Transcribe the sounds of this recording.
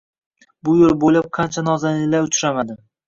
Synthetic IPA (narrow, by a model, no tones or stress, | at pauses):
bʊjoɾbojlap̚qʰɑnt͡ʃʰanɒzanlɪlaɾʊt͡ʃʰɾamad̪ɪ